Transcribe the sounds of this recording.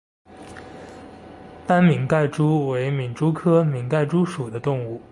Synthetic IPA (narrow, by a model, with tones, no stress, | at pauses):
t̪a˥nmi˧˩ŋka˥˩ɪʈ͡ʂu˥we˧˥ɪmi˨˩nʈ͡ʂu˥kʰɤ˥mi˨˩˥ŋka˥˩ɪʈ͡ʂu˥ʂu˨˩d̪ə˦t̪ʊ˥˧ŋu˥˩